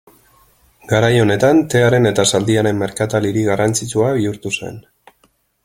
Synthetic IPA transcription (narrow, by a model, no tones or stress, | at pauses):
ɡaɾajo̞ne̞t̪ant̪e̞aɾe̞ne̞t̪asald̪iaɾe̞mːe̞ɾkat̪aliɾiɣarant͡sit͡suaβiuɾt̪use̞̰n